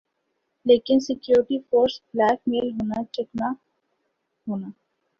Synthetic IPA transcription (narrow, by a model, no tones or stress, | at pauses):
leːkɪnsɪkjoːɾɪʈifoːɾsblɛːkmeːlɦoːnat͡ʃɪkna | ɦoːnaː